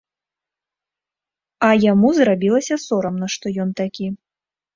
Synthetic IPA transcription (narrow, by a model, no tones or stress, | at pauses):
ɐjamuzrabʲilˠɐsʲɐsɔɾɐmnɐʂt̪ɔjɔnt̪akʲi